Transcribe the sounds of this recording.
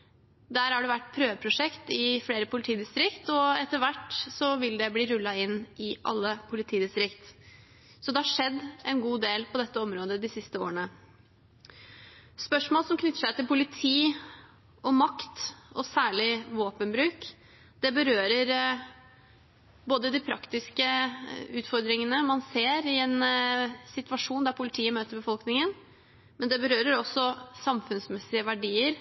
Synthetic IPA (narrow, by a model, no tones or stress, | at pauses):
d̪æːɾhɑɖɛʋæʈːpʰɾøːʋəpʰɾʊʂɛkt̪ɪfleːɾəpʰʊlɪt̪ʰiːd̪ɪst̪ɾɪkt̪ɔɛt̪ːəʋæʈːsɔʋɪld̪ɛbliːɾʉlːɑɪnːʔɪʔɑ̰lːəpʰʊlɪt̪ʰiːd̪ɪst̪ɾɪkt̪ | sɔd̪ɛhɑʂɛd̪ːʔɛnɡuːd̪eːlpʰɔd̪ɛt̪ːəɔmɾoːd̪əd̪ɪsɪst̪əo̰ːɳə | spœʂmoːlsɔmkʰnʏt̪ːəʂæɪt̪ɪlpʊlɪt̪ʰiː | ɔmɑkt̪ɔsæːɭɪʋoːpənbɾʉːk | d̪̥ɛbəɾøːɾəɾ | boːd̪əd̪ɪpʰɾɑkt̪ɪskəʉːt̪fɔɾd̪ɾɪŋənəmɑnseːɾɪɛnsɪt̪ʋɑʂuːnd̪æɾpʰʊlɪt̪ʰiːəmøːt̪əɾbəfɔlknɪŋən | mɛnd̪ɛbəɾøːɾəɾɔsɔsɑmfʉnsmɛsɪəʋæɖiːəɾ